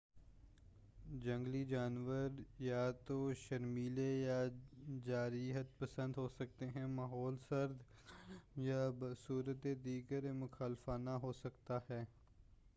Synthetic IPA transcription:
d͡ʒə̃ŋɡlid͡ʒaːnʋəɾjaːt̪oʃəɾmiːlejaːd͡ʒaːɾiːɦət̪̚pəsə̃nd̪ɦoːsək̚t̪eɦɛ̃maːɦɔːlsəɾd̪ | jaːbsuːɾət̪ed̪iːɡəɾmʊxʰaːlfaːnaɦosəkt̪aɦɛː

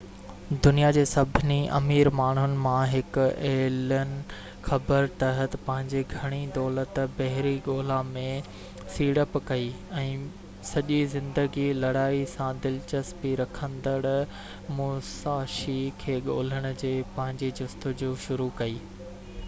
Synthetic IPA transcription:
d̪ʊnijad͡ʑeːsɐbʱɪniʔɐ̰miːɾmaːɳ̤ɦʊnɪ̆mãɦɪkʊeːlənɪ̆ | xɐbəɾt̪ɐɦət̪pɐ̃ɦɪ̃ɲd͡ʑeɡʱɐɽ̃id̪ɔːlət̪bɐɦɪɾiɡoːlamẽ | siːɽəpkɐiːɛ̃ː | sɐʄizɪ̃nd̪əɡilɐɽaːisãd̪ɪlt͡ɕɐspiɾɐkʰə̃nd̪əɽ | mʊːsaːʃikʰeːɠo̰ːləɽ̃ʊ̆d͡ʑeːpɐ̃ɦɪ̃ɲd͡ʑed͡ʑʊst̪ʊd͡ʑuːʃʊɾukɐiː

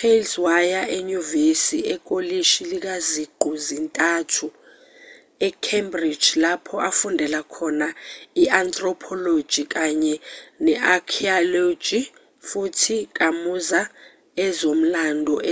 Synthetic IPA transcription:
elswajaʔeɲuvesiɛk̬ʼoliʃilik̬aziɡ͡ǃʱuzintʼaːtʰu | ɛkʰembri̥d͡ʒlapʰɔʔafundʱɛlakʰɔnaiant̪ʼrɔpʰɔlo̥d͡ʒ̥ʱik̬aɲɛnɛʔakʰialo̥d͡ʒʱi | futʰik̬amuza | ɛzom̩landʱɔ

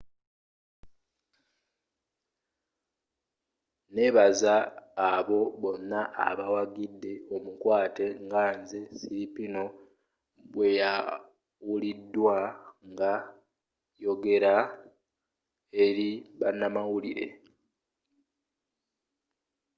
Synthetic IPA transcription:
ne̞βazaːβo̞βo̞nːaʔa̰βawaɡidːe̞o̞mukwaːte̞ŋɡaːnzesiɾipino̞ | βwe̞ja | wulidːwaŋɡa | jo̞ɡe̞ɾa | e̞ɾiβanːamawuliɾe̞̰

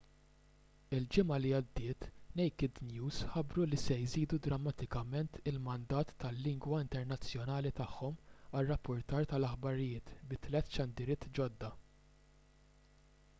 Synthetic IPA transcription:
ɪld͡ʒɪmɐliɐd̪ːɪːt̪nɛjkɪd̪njuːzħɐbɾulisɛjziːd̪ud̪ɾɐmːɐt̪ɪkɐmɛnt̪ɪlmɐnd̪ɐːt̪ːɐlːɪŋɡwɐɪnt̪ɛɾnɐt͡sːjɔnɐːlit̪ɐħːɔmɐrːɐpːʊɾt̪ɐːɾt̪ɐlɐħbɐɾɪjɪːt̪bɪt̪lɛt̪ːʃɐnd̪ɪɾɪːt̪ːd͡ʒɔd̪ːɐ

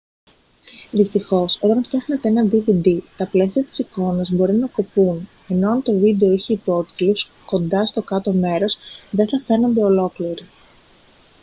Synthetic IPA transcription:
ðist̪ixo̞soɾɐnfɐxne̞t̪e̞enɐd̪ivid̪it̪ɐple̞siɐt̪i̥siko̞nɐzbo̞ɾinɐko̞pun | e̞no̞ɐnt̪o̞vid̪e̞oiçeipo̞t̪iilus | ko̞nd̪ɐst̪o̞kɐt̪o̞me̞ɾo̞sðe̞nθɐfe̞no̞nd̪e̞o̞lo̞kliɾi

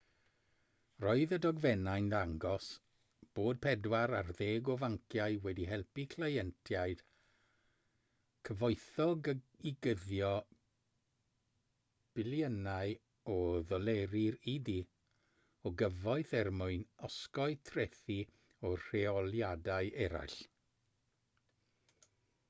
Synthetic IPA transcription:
rɔɨðədɔɡvɛnajndaŋɡɔs | b̥oːd̚pʰɛdwaɾarðeːɡɔvaŋkʰjaɨwɛdiɦɛlˠpikʰlˠajɛntʰjaɨd̥ | kʰəvɔɨθɔɡiɡəðjɔ | b̥ɪlˠjənaɨ | ɔðɔleɾɪɾidi | ɔɡəvɔɨθɛrmʊɨnɔskɔɨtʰrɛθi | ɔr̥eɔlˠjadaɨɛɾa̰jɬ

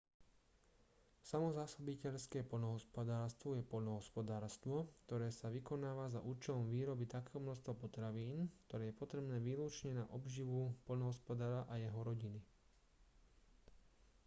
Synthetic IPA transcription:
samɔzaːsɔbicɛʎskɛːpɔʎnɔɦɔspɔd̪aːɾst̪ʋɔjɛpɔʎnɔɦɔspɔd̪aːɾst̪ʋɔkt̪ɔɾɛːsaʋikɔnaːʋazaʔuːt͡ʃɛlɔmʋiːɾɔbit̪akɛːɦɔmnɔst̪ʋɔpɔt̪ɾaʋiːnkt̪ɔɾɛːjɛpɔt̪ɾɛbnɛːʋiːluːt͡ʃɲɛnaʔɔbʒiʋupɔʎnɔɦɔspɔd̪aːɾaʔajɛɦɔɾɔɟini

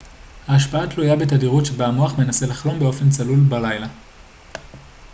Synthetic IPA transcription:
haːʃpaatlujabetadiʁutʃebamuaχme̞naselaχlo̞mbe̞o̞fe̞nt͡salulbalajla

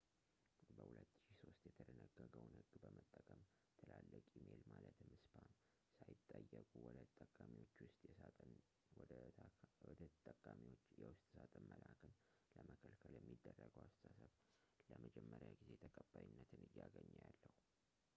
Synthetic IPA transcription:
bəhulət̪ːɨ̥ʃiso̞st̪jɛt̪ʰələnəɡːəɡəwnhɨɡːbəmət̪ʼːəkʼəm | t̪ʰəlalːəkʼimelmalət̪mɨspʰan | sajɪt̪ʼːəjːəkʼuwɔd̪ʼəkʼamiwo̞t͡ʃːwʊst̪ʼjɛ | w | ət̪ʼːəkʼamiwot͡ʃːjɛwʊst̪ʼsat̪ʼəmmːəlʔakʰən | ləməkʰəlkʰəljɛmːid̪ːərːəɡəwast̪ʼasəβ | ləməd͡ʒɛmːəɾjaɡize̞t̪ʰəkʼəbːajinːət̪ʰɨnɨjːaɡəɲːajalːəhu

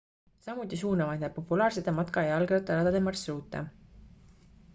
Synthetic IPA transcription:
sɑmut̪ːˑis̬uːnɑmɑepːo̞pːulɑːrset̪ːˑemɑt̪kɑjɑlɡɑt̪ːˑɑɾɑd̪ɑd̪emɑrsruːt̪ːˑɑ̰

